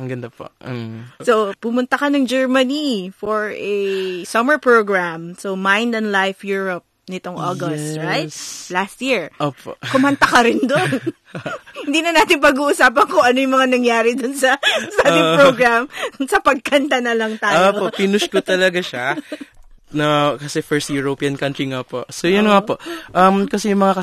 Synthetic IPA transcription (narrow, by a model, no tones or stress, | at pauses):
ɐŋɡɐnd̪ɐpo̰ | sopʊmʊnt̪ɐkɐnɐŋd͡ʒɛɹmɐnifoɹʔɛsɐmɛɹpɹoɡɹamsomajnd̪ɐnlajfjuːɹɐp̚nɪt̪oŋʔoɡost̪ɹajt̪̚last̪̚jiɹʔoːpo̰kʊmɐnt̪ɐkɐɾɪnd̪on | hɪnd̪iːnɐnaːt̪ɪŋpɐɡuːʔʊsaːpɐnkʊŋʔɐnojʊŋmɐŋanɐŋjaːɾɪd̪ʊnsɐsaːɪŋpɹoɡɹamnsɐpɐɡ̚kɐnt̪ɐnɐlɐŋt̪aːjoopopinʊʃkot̪ɐlɐɡaʃa | nɐkɐsɛfɛɹst̪juɹopiːɐnkɐnt̪ɹiŋapo̰ʔsojʊnŋapoʔʔɐmkɐsɛjʊŋmɐŋakɐ